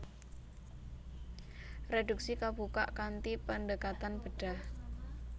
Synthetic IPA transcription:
reduk̚sikabuka̰ʔkant̪ipənɖəkat̪anb̥ə̤ɖ̥ah

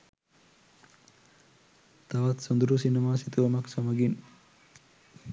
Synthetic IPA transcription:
t̪aʋat̪sond̪uɾusinɐmaːsit̪uʋɐmɐksamɐɡin

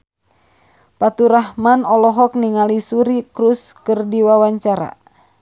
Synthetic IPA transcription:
pat̪uɾaɦmanɔlɔɦɔk̚niŋalisuɾikɾuskɨrdiwawaɲt͡ʃaɾa̰

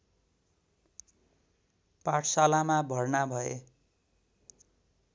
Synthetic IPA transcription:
paʈʰsalamabʱʌrnabʱʌe

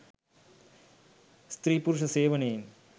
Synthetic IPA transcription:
st̪ɾiːpʊɾʊʂɐseːʋɐneːn

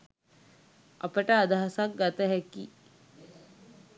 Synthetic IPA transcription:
ɐ̰pəʈəːd̪aɦasak̚ɡɐt̪əɦɛki

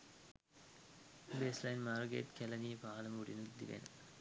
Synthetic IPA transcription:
beːslɐjnmaːrɡḛːʈkɛlɐnipaːlɐmuɽinud̪iʋḛn

